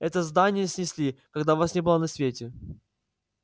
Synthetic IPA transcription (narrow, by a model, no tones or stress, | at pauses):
ɛt̪əzd̪anʲɪjəsʲnʲɪsʲlʲikɐɡd̪avasnʲebɨlˠanɐsʲvʲetʲɪ